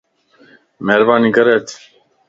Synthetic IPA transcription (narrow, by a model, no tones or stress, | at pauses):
meːɾbaːniɡɐɾet̪